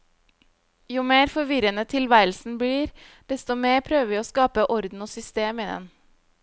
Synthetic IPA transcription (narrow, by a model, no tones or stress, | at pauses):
juːmeːɾfɔɾʋɪɾənət̪ʰɪlʋæɪəl̩sn̩bliːɾd̪̥ɛst̪ɔmeːɾpʰɾøːʋəʋiːoːskɑːpəʔɔɾd̪n̩oːsʏst̪eːmiːd̪ɛ̰n